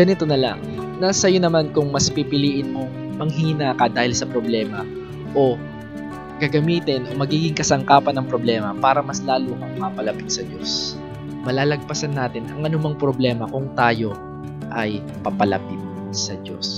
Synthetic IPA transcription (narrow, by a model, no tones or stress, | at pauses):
ɡɐnɪt̪o̞nɐla̰ŋ | nasɐjonɐmankʊŋmɐspipɪliːʔɪnmo̞ | mɐŋɦiːnaːkɐd̪aːhɪlsɐpɾo̞blɛːmɐ | ʔo̞ | ɡ̥ɐɡɐmiːt̪ɪnʔo̞mɐɡiːɡɪŋkɐsɐŋkaːpɐnːɐŋpɾoblɛːmɐpaːɾɐmɐslaːlomɐŋmapɐlɐpɪt̪sɐd͡ʒo̞s | mɐlaːlɐɡ̚pɐsɐnːaːt̪ɪnɐŋʔɐnʊmɐŋpɾo̞blɛːmɐkʊŋt̪aːjo̞ | ʔɐj | pɐpɐlɐ̰pɪt̪̚ | sɐd͡ʒo̰s